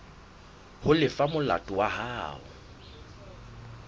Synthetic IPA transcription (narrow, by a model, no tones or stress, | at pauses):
hʊlɪfamʊla̰tʼʊwahaːʊ̰